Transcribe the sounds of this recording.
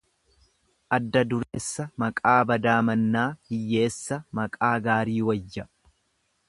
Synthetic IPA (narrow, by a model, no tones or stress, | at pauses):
ʔɐd̪ːɐd̪ʊɾeːsːɐmɐkʼaːbɐd̪aːmɐnːaːhɪjːe̞ːsːɐmɐkʼaːɡaːɾiːwɐjːɐ